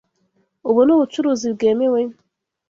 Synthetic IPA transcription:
obonoot͡ʃuɾoziɡɛmewe

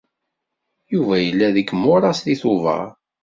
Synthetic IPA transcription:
juvæjəlːæðəkːəmːʊɾˤɑsðiθʊvɑ̰

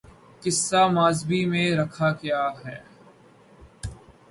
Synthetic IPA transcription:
kɪsːamaːzbimẽɾɐkʰakjaːɦɛː

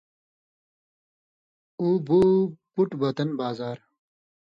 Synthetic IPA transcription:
uboːpuʈbɐt̪ɐnbaːzaːɾ

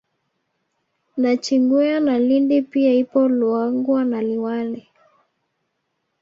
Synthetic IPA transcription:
ndat͡ʃiŋɡuanalindipiaipɔluaŋɡwanaliwali

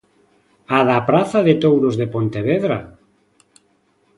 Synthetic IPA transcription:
aðapɾaθaðet̪owɾozðepont̪eβeðɾa

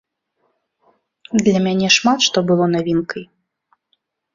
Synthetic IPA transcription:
d̪lʲɐmʲanʲɛʂmat̪ʂt̪ɔbɨlˠɔnavʲinkʰɐj

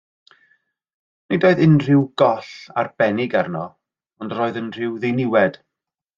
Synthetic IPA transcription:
nidoːɨðɪnr̥ɪwɡ̥ɔɬa̰rb̥ɛnɪɡarnɔ | ɔndroːɨðənr̥ɪwðenɪwɛd̥

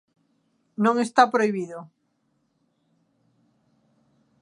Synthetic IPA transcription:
nõŋest̪apɾoiβiðo

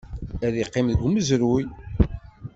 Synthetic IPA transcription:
æðiqːemɡməzɾuj

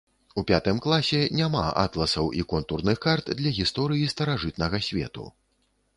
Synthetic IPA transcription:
upʲat̪ɨmklˠasʲɛnʲama̰a̰t̪lˠɐsɐwʔikɔnt̪urnɨxkart̪d̪lʲɐɣʲist̪ɔɾɨjist̪ɐɾaʐɨt̪̚nɐɣɐsʲvʲɛ̰t̪ṵ

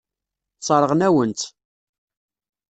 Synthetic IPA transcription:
t͡sˤːɑɾˤəʁnæwənt̪

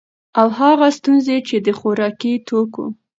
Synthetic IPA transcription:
awɦɑɣast̪unzet͡ʃed̪əxoɾɑkit̪ʰokṵ

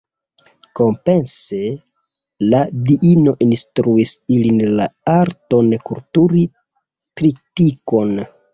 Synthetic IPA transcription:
ko̞mpense | ladiʔino̞ʔinstɾuisilinlaaɾto̞nkultuɾi | tɾitiko̞n

